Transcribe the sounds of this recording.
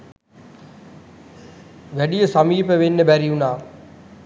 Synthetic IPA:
ʋɛɗijəsɐmiːpəʋenːəbɛɾiunaː

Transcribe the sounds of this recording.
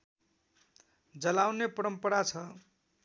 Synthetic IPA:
d͡zʌlawnepʌɾʌmpʌɾat͡sʰʌ

